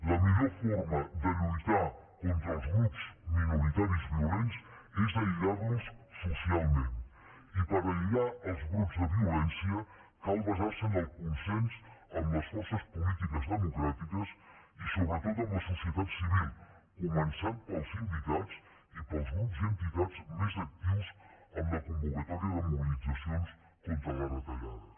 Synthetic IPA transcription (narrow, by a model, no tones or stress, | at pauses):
ləmiʎoɾfɔɾməd̪əʎujt̪a | kont̪ɾəlˠzɣɾupzminuɾit̪aɾizβiulensezðəiɣaɾlusːusialˠmẽn | ipəɾəʎuɣaəlˠzɣɾupzðəβiulɛnsiə | kalˠβəzaɾsənəlˠkunsensəmləsfɔɾsəspulit̪ikəzðəmukɾat̪ikəs | isoβɾət̪ot̪̬əmləsusiət̪at̪siβilˠ | kumənsanpəlˠzind̪it̪at͡s | ipəlˠzɣɾupzənt̪it̪ad͡zmezək̚t̪iwsəmləkumbukət̪aɾiəðəmuβilid͡zəsions | kont̪ɾələɾət̪əʎa̰ðə